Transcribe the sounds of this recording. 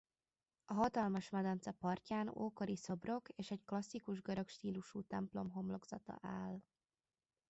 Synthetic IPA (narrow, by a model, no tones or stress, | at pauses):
ɒɦɒt̪ɒlmɒʃmɛd̪ɒnt̪sɛpɒrcaːno̰ːko̞ɾiso̞bro̞keːʃɛɟklɒsːikuʒɡɒɾɒkʃt̪iːluʃuːt̪ɛmplo̞mɦo̞mlo̞ɡz̥ɒ̰t̪ɒ̰ʔaːl